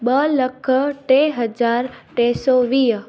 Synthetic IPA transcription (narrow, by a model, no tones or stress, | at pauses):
ɓələkʰːəʈeɦəd͡ʒaɾʈɛsoʋi